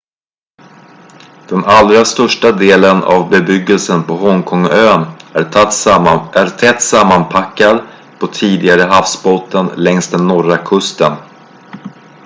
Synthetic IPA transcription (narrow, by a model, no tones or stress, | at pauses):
d̪̥ɛnalɾast̪œʂʈad̪eːləna̰vbɛbʏɡːəlsənpʰɔɦɔŋkʰɔŋøːn | æɾt̪ʰɛt̪ːsamːanpʰakːad̪ | pʰɔt̪ʰiːd̪ɪɡaɾəɦafsboːt̪ːənlɛŋst̪d̪ɛnːɔɾakʰɵst̪ən